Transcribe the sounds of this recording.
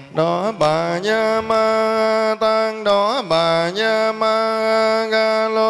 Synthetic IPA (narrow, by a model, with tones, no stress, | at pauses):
ɗɔ˨˦ɓaː˨˩ɲa˧maː˧a˧t̪aː˧ŋɗɔ˨˦ɓaː˨˩ɲaː˧maː˧ɣa˧ɣaː˧lo˧